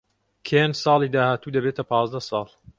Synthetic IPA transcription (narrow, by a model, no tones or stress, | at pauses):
kʰensɑːlˠiːd̪aːhaːt̪uːd̪ɐbeːt̪ɐpʰɑːzd̪ɐsˤɑːlˠ